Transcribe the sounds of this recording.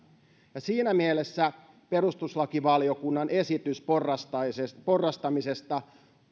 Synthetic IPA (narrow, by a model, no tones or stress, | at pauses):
jɑsiːnæmielesːæ | pe̞rust̪uslɑkiʋɑlijo̞kunːɑnʔe̞sit̪ysporːɑst̪ɑsepo̞rːɑst̪ɑmisest̪ɑ